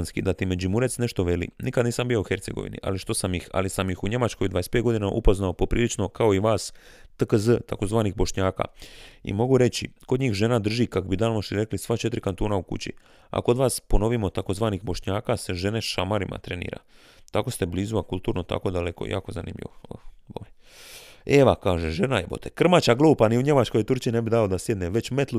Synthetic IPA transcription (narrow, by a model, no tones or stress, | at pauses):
nskid̪at̪imed͡ʑimuɾe̞t̪sne̞ʃt̪o̞ʋe̞lḭnʔikad̪niːsambio̞uxe̞ɾt̪se̞̰ɡoʋḭnḭʔa̰liʃt̪o̞samjixa̰lisamjixuɲe̞mat͡ʃko̞jd̪ʋaːesped̪ɡo̞d̪inaʔupo̞znaopo̞pɾiːlit͡ʃno̞kao̞iʋaːs | t̪əkəzət̪ako̞zʋaːnixbo̞ʃɲaːka̰ːḭmo̞ɡuɾe̞t͡ɕikod̪ɲiːxʒeːnad̪r̩ʒikakobid̪aːlmoʃiɾe̞klisʋat͡ʃe̞t̪ɾikant̪oːnaukṵt͡ɕḭ | a̰kood̪ʋaːspono̞ʋimo̞t̪ako̞zʋaːnixbo̞ʃɲaːkase̞ʒe̞ne̞ʃamaɾimʔa̰t̪ɾe̞nḭːɾa̰ | t̪ako̞st̪e̞bliːzuakulˠt̪uːɾnot̪a̰ko̞d̪aleko̰ja̰ːko̞zanḭːmʎḭʋoə̰boʋe | eʋakaːʒeʒenajebo̰t̪ʰekr̩mat͡ɕaɡlˠuːpaniuɲe̞mat͡ʃko̞jt̪uɾt͡ɕinebid̪aod̪asje̞d̪neʋe̞t͡ɕme̞t̪lˠu